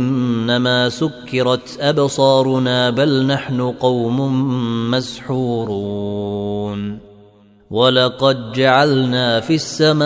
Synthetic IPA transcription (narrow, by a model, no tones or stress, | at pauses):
ɪnːamaːsʊkːɪɾˤɑt̪ʔabsˤɑːɾˤʊnaːbalnaħnʊqɑwmʊmasħuːɾuː | n | walɑqɑd̪̚d͡ʒaʕalnaːfisːama